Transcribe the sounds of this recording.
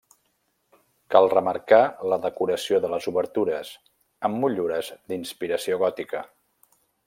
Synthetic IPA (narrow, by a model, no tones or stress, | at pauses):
kalˠrəməɾkaləðəkuɾəsioðələzuβəɾt̪uɾəz | əmːuʎuɾəzd̪inspiɾəsioɣɔt̪ikə